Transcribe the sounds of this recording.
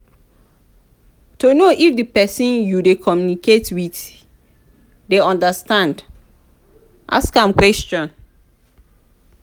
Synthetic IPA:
tonoʔifdipɛsĩnjudekʰɔmjuniketwit | deɔ̃ndastãnd | ʔa̰skãmkwɛst͡ʃɔ̃n

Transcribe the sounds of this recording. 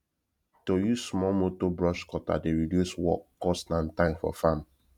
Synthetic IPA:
tojusmɔmotobɹɔʃkɔta̰deɹidjuswɔ̰kkːɔstnãntãɪ̃mfɔ̰fãm

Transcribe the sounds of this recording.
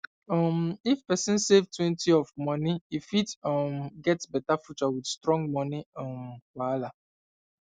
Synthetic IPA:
ɔmifpɛsĩnsevtwɛ̃ntiɔfmɔniifitɔmɡɛtsbɛtafut͡ʃawidstɾɔ̃ŋɡ̚mɔniɔmwala

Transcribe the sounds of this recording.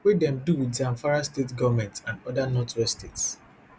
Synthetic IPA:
wedɛ̃mduwidzãɱfaɹastetɡɔvamɛ̃ntãndɔdanɔtɹɔstets

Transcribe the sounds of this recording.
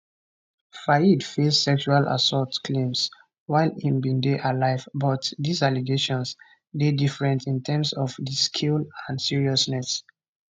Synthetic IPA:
faidfesːɛkʃualʔa̰sɔtkʰlẽms | waɪlĩmbĩndeʔalaɪvbɔtdisaliɡeʃɔ̃ns | dedifɹɛ̃ntʰĩntʰɛ̃msɔvdiskʰilãndsiɹiɔsnɛs

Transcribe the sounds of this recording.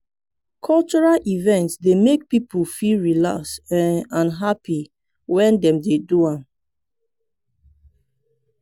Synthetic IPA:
kʰɔlt͡ʃɔɹalʔivɛ̃ntsdemek̚pipufilɹilaksɛnãnɦapi | wɛ̃ndɛ̃mdeduãm

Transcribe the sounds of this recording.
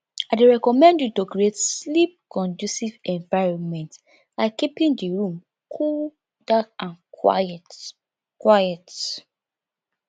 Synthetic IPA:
aɪdeɹɛkɔmɛ̃ndjutoɡɹietslip̚kɔ̃ndjusivɛ̃ɱvaɪɹɔ̃nmɛ̃nt | laɪkipĩndiɹũm | kʰul | dakãna̰ɛt | kwajɛt

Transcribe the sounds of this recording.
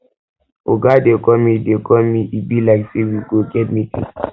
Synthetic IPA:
oɡadekɔmidekɔmiʔibilaksewiɡoɡɛd̚mitḭ

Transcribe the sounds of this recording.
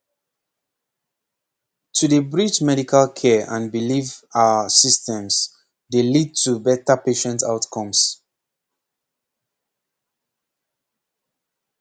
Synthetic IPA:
tʰudəbɹit͡ʃmɛɾikʰalkʰɛʔã̰nbilivasistɛ̃ms | delid̚tʰubɛtəpeʃɛ̃nta̰ʊtkʰɔ̃ms

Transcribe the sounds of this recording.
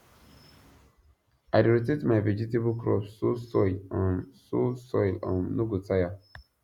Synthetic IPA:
aɪdɹitetmaɪved͡ʒitebkɹɔ̰psosɔɪlɔ̃nsosɔɪlɔ̰̃nːoɡotaja

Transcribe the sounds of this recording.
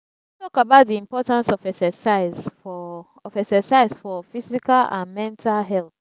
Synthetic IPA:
tɔkabaʊt̚diĩmpɔtãnsɔfɛksɛsaɪzfɔ | ɔfɛksɛsaɪzfɔfizikalã̰nmɛ̃ntʰalɦɛlθ

